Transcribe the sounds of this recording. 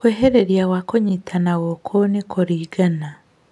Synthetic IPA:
kweɦeɾeɾjawakoɲitʰanaɣɔkʰonekʰoɾiːɡana

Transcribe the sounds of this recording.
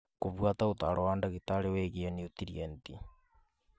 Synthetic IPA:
koβwataot̪aɾʔɔwaːndaɣitaɾeweɣiɛniut̪iɾienti

